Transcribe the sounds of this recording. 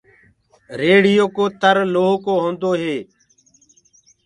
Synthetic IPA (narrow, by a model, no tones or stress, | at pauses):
ɾeːɽɪjoːkoːt̪əɾloːɦkoːɦõːnd̪oːɦeː